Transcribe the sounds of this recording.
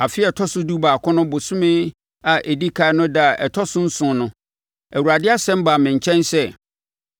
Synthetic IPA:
a˨fɪ˦ɛ˨tʰɔ˦sʊ˦du˦baː˨kʰɔ̃˦nʊ̃˦bʊ˨sʊ̃˦mɪ̃˦ | a˨ʔe˨di˦kʰa˨ɛ˦nʊ̃˦da˨ʔɛ˨tʰɔ˦sʊ̃˦n̩˦sʊ̃˨˦nʊ̃˦ | æ˨wu˨ɾa˨dɪ˦a˦sɛ̃˦m̩˦ba˨mɪ̃˨ɲ̩˨t͡ɕʰɛ̃˦nsɛ˦˨

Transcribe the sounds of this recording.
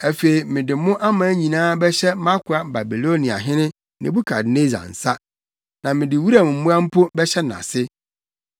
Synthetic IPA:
æ˨fe˨i˨mɪ̃˨dɪ˨mʊ̃˦ʔa˦mã˨˦ɲĩ˨nãː˦bɛ˦ɕɛ˦mã˦kʰʊ˨˦a˦ba˨bi˨lo˦nĩ˨a̰˨ɦɪ̃˦nɪ̃˦ | nɪ̰̃˨bu˦kʰa˨dne˦zã̰˨n̩˨sa˦ | nã˨mɪ̃˨dɪ˨wu˦ɾa˨m˨m̩˦mʊ̃˦a˦m̩˦pʰo˦bɛ˦ɕɛ˦nã̰˨sɪ˦

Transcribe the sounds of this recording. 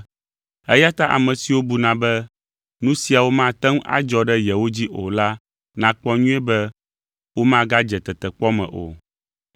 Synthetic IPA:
ɛ˦ja˦t̪a˦ʔa̰˨mɛ̃˨si˨wo˦bu˨nã˨bɛ˦ | nũ˦si˨a˨wo˦mã˦˨t̪ɛ˦ŋ˦a̰˦d͡ʒɔ˦ɖɛ˦jɛ˨wo˦d͡ʑi˦ʔo˨la˦ | nã˨k͡pɔ˦ɲũ˦ɛ˦bɛ˦ | wo˦mã˦ɡa˦d͡ʒɛ˨t̪ɛ˨t̪ɛ˨k͡pɔ˦mɛ̰̃˨ʔo̰˨

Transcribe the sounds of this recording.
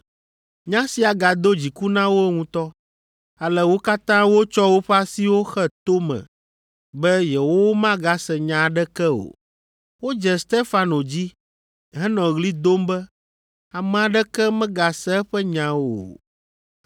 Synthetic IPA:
ɲã˦si˨a˨ɡa˨d̪o˦d͡ʑi˨ku˦nã˦wo˦ŋũ˦t̪ɔ˦ | a˨lɛ˨wo˦ka˦t̪ã˦wo˦t͡ʃɔ˦wo˦ɸɛ˦a˦si˦wo˦xɛ˦t̪o˦mɛ̰̃˨ | bɛ˦jɛ˨wo˦wo˦mã˦ɡa˦sɛ˨ɲã˨ɖɛ˦kɛ˦o̰˨ | wo˦d͡ʒɛ˨st̪e˦fa˨no˨d͡ʑi˦ | ɦɛ˦nɔ̃˨ɣli˦d̪o˦mbɛ˦ | a˨mɛ̃˨a˨ɖɛ˦kɛ˦mɛ̃˦ɡa˨sɛ˦ɛ˦ɸɛ˦ɲã˨˦wo̰˨

